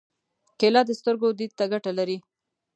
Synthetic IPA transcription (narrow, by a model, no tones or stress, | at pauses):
kelɑd̪əst̪əɾɡod̪id̪̚t̪aɡaʈalaɾi